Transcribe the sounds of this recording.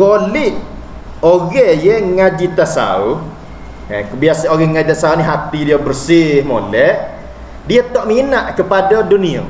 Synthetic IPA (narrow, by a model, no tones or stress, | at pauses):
ɡolɪʔ | oɣɛjɛŋad͡ʒit̪asa̰u | ə̰kəbiasanoɣɛŋad͡ʒit̪asauniɦat̪idiabərsɪhmo̰lɛʔ | diat̪ɔʔminaʔkəpadadunia̰